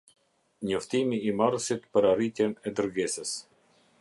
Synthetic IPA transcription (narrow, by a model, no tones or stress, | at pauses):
ɲɔft̪imiːmarsit̪pəɾarit̪jɛnɛd̪əɾɡɛsəs